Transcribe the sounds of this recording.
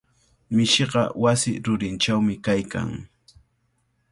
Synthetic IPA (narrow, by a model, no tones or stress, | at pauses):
mɪʃeɢɑ̰wasɪɾʊɾɪnt͡ʃawmɪkajka̰ŋ